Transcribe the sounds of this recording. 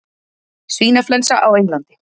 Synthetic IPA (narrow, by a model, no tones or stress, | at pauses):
sviːnaflɛnsaʔawejŋlant̪ɪ̥